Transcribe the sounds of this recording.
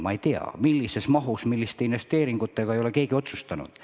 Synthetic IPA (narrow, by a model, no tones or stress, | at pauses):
mɑejt̪eɑ̰milːise̞smɑɦusmilːist̪einʋe̞st̪e̞ːɾiŋɡ̥ut̪ːˑe̞ɡ̥ɑejo̞le̞ke̞ːɡ̥io̞t̪sust̪ɑnṵd̪̥